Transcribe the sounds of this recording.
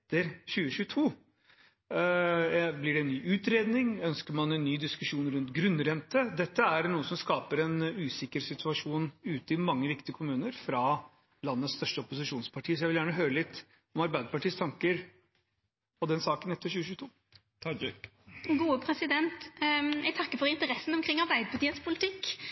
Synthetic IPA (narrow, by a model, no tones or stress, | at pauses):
t̪ːəɾɕʉːəɕʉːət̪ʰuː | blɪɖɛɛnnːyːʔʉːt̪ɾeːd̪nɪŋœnskəɾmɑnɛnːyːd̪ɪskʉʂuːnɾʉnt̪ɡɾʉnːɾɛnt̪əd̪ɛt̪ːəæɾnuːəsɔmskɑːpəɾɛnʉːsɪkəɾsɪt̪ʰʉɑʂuːnʉːt̪əɪmɑŋːəʋɪkt̪ɪəkʰʊmʉːnəɾfɾɑ | lɑnːəst̪œʂʈəɔpʊsɪʂuːnspʰɑʈʰiːsɔjæɪʋɪljæːɳəɦøːɾəlɪt̪ː | ɔmɑɾbæɪd̪əpɑʈiːst̪ʰɑŋkəɾ | ɔd̪ɛnsɑːkənɛt̪ːəɕʉːəçʉːət̪ʰuː | ɡuːəpʰɾɛsɪd̪ɛnt̪ɛɡ̚t̪ʰɑkːəfɔɾɪnt̪əɾɛsːn̩ɔmkʰɾɪŋːɑɾbæɪd̪əpʰɑt̪iːənspʰʊlɪt̪ʰɪkː